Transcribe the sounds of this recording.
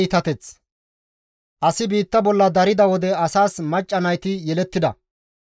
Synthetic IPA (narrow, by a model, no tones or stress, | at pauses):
t̪ɐt̪ɛt͡s | ʔɐsɪbiːt̪ːɐbɔlːɐd̪ɐɾɪd̪ɐwɔd̪ɛɐsaːsmɐt͡ʃʼːɐnɐjt̪ɪjɛlɛt̪ːɪd̪ɐ̰